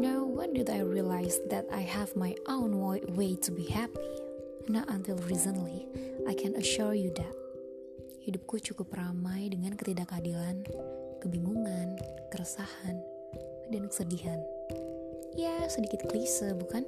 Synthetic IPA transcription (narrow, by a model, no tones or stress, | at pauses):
nawwandudajɹiəlajsðɛta̰jɦɛvmajʔõnwɔwejtʰubihɛpi | nɔt̪ãnt̪ilrizənliʔajkʰɛnəʃuɹjuðɛt̪̚ | hidʊp̚kut͡ʃukʊpramajdəŋankət̪idakadilankəbiŋuŋankəɾəsahan | adiankə̥sədiɦan | jɛsədikɪt̪̚klisəbukan